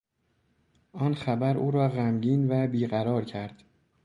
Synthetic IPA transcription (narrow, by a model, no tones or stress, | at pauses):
ʔɒːnxæbæɾʔṵːɾɒːɣæmɟiːnvæbiːɣæɾɒːɾcʰæɾd̪̥